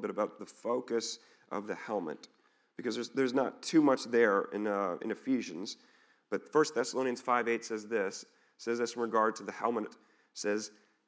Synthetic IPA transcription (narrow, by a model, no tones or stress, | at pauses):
bɪɾəbaʊt̪̚ðəfoʊkɨs | ʔʌ̰vðɨhɛlˠmɨ̰̃n | b̥ɨkʰʌzðə˞zðə˞znətʰʉmʌt͡ʃðə˞ɪ̰̃nɨ̰̃nɨfiʒɨ̃nz | b̥ʌtfɜ˞st̪̚θɛsəloʊ̃niɨ̃nz̥faɪveɪtsɛzðɪsː | ɛzðɪsn̩ɹɨɡɑɹd̚tʰɨðɨhɛlˠmət | sɛz̥